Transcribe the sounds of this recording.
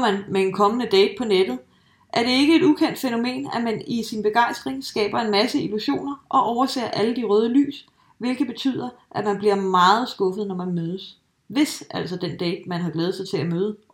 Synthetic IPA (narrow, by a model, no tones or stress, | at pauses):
mænmeenkʰɒ̽mənəd̥ɛ̰ːd̥̚pʰɒ̽ned̥ð̩ˠ | ʔæɐɾ̥e̝e̝ɡ̥əe̝dukʰen̰d̥feno̝me̝̰ːnæmænisinb̥e̝ɡ̥ɑ̈ɪ̰sd̥ʁeŋsɡ̥ɛ̰ːb̥ɐe̝nmæsəiluɕo̝̰ːnɐʔɒ̽ʔɒʊɐsḛːɐʔæləd̥iʁœːð̞ˠəly̰ːs | ʋe̝lɡ̥ð̩ˠb̥e̝t͡sʰy̰ð̰ˠɐ | ʔæ̥mænb̥liɐmɑ̈ːð̞̩ˠsɡ̥ɔ̽fəð̞̩ˠnɒmænmøːð̞ˠəs | ʋe̝sʔæl̰sɒd̥end̥ɛ̰ːd̥mænɦɑ̥̈lɛːð̩ˠsɑ̈ɪt͡sʰe̝læmøːð̞̩ˠə